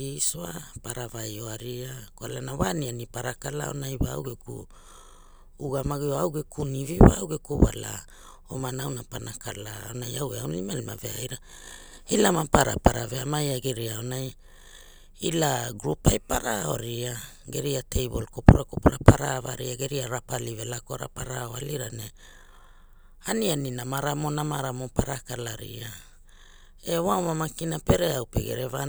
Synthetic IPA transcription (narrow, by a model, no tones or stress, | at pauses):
isoa̰paɾavajo̞aɾiakualanawanianipaɾakala̰o̞̰najwaa̰wɡekṵ | uɡamaɡioawɡekʰuniviwawɡekuwa̰la̰ | omanawnapanakalaonajaweawlimalma̰veajɾa | ilamapaɾa̰paɾaveamajaɡeɾiaonaj | ilaɡɾupajpaɾao̞̰ɾia | ɡe̞ɾiatʰe̞jbo̞lkopuɾako̞puɾapaɾavaɾiaɡe̞ɾiaɾapalive̞lakoɾa̰paɾaoaliɾane | anianinamaɾamo̞namaɾamopaɾakalaɾḭa | ewawmamakinape̞ɾe̞awpḛɡe̞̰ɾe̞va